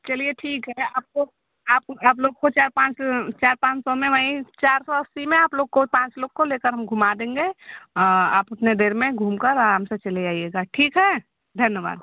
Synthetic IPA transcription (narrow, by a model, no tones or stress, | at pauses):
t͡ʃɐlieʈʰiːkɦɛaːp̚ko | aːp̚aːp̬loːɡ̚kot͡ʃaːɾpãːt͡ʃt͡ʃaːɾpãːt͡ʃsɔmẽʋaːĩt͡ʃaːɾsɔɐsimẽaːploːɡ̚kopãːt͡ʃloːɡ̚koleːkəɾɦɐmɡʱumad̪ẽːŋɡeɔa̰ːpʊt̪ned̪eːɾmẽɡʱuːmkəɾaɾaːmset͡ʃɐled͡ʒaːieːɡaːʈʰiːkɦɛ | d̪ʱɐnjəʋa̰ːd̪